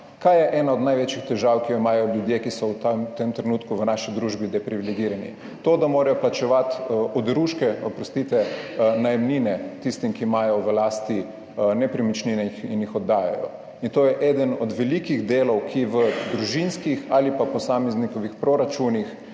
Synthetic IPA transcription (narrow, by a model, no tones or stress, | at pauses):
kajɛʔɛːnaɔd̪najʋet͡ʃixt̪ɛʒawkijɔimaːjɔd̪ljud̪jekisɔwt̪amt̪emt̪ɾɛnuːt̪kuʋənaːʃid̪ɾuːʒbid̪ɛpɾiʋilɛɡiɾanḭ | t̪oːd̪amoːɾajɔplat͡ʃɛʋat̪ɔd̪ɾuːʃkɛɔpɾɔst̪iːt̪ʋɛnajɛmniːnɛt̪ist̪imkiːmaːjɔʋəlaːst̪i | nɛpɾimit͡ʃninɛixinjixɔd̪ːaːja̰jɔ̰ | int̪oːjɛʔɛd̪ənɔd̪ʋɛlikiɣd̪eːlɔwkʰiʋəd̪ɾuʒinskixaːlipapɔsaːmɛznikɔʋixpɾoɾat͡ʃunix